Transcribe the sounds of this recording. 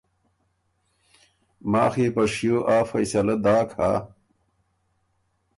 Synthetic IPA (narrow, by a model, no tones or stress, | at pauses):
ma̰ːxepɐʂjoːʔaːfɐjsɐlɐd̪aːkʰaː